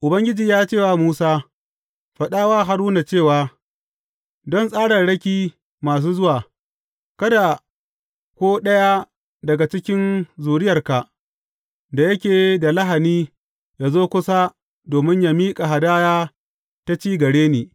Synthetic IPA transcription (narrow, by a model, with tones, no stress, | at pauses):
ʔʊ˨bɐ˦ŋɡʲɪ˦d͡ʒiː˨jaː˦t͡ʃeː˦˨wa˨muː˦saː˦ | ɸɐ˨ɗaː˦waː˦ɦa˦ɽʊ˦na˨t͡ʃeː˦˨waː˨ | dɔ˦nsʼaː˦ɽɐ˨nɽɐ˦kʲiː˦ | maː˨s̬uː˦zʊ˦waː˨ | kɐ˦da˨ | kʷoː˦ɗɐ˦ja˦ | dɐ˨ɡa˨t͡ʃɪ˦kʲɪ˦nzuː˨ɽɪ˦jɐ˨rka˨ | da˨jɐ˦kʲeː˨˦da˨lɐ˦ɦa˨niː˦ | ja˨zoː˦kʷʊ˦sa˦ | doː˨mɪ˦ɲja˦miː˦kʼa˨ɦa˨daː˦jaː˦ | ta˦t͡ʃiː˦ɡɐ˨ɽeː˦neː˨